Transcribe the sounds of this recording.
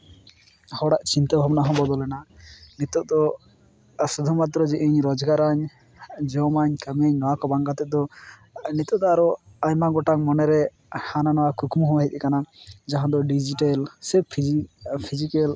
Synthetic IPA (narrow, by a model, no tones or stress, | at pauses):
hɔɽaʔt͡ʃint̪ɔbʱabnaɦɔ̃bɔd̪ɔlɛnanit̪ɔʔd̪ɔ | sud̪ʱumat̪ɾɔd͡ʒɛʔiɲɾɔd͡ʒɡaɾaɲ | d͡ʒɔmaɲkəmeɲnɔwakɔbaŋɡat̪ɛʔ̚d̪ɔ | nit̪ɔd̪ɔaɾɔaɲmaɡɔʈakmɔnɛɾɛ | hananɔwakukumɦɔ̃waɦit̪ɛkanad͡ʒaɦãd̪ɔɖid͡ʒiʈalsɛpʰpʰid͡ʒikɛl